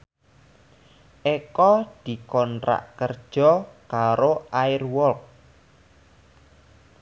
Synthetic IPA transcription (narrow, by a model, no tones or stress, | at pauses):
ʔekɔd̪̥i̤kɔntɾa̰ʔkərd̥ʒ̥ɔkaɾoʔaɪrwɔlk̚